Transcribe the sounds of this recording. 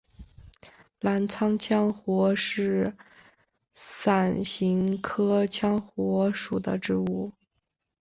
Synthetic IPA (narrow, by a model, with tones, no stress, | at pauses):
la˧˥nt͡sʰɑ˥ŋt͡ɕʰjɑ˥ŋxwɔ˧˥ʂɻ̩˥˩ | sa˨˩nɕi˧˥ŋkʰɤ˥t͡ɕʰjɑ˥ŋxwɔ˧˥ʂu˨˩d̪ə̰˦ʈ͡ʂɻ̩˧˥u˥˩